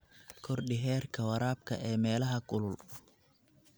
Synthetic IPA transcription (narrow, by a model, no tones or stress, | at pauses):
kʰɔrɖɪɦɛːrkʰɐwɐɾaːb̚kʰɐ̰ʔɛːmɛːlɐɦɐɡʊlʊl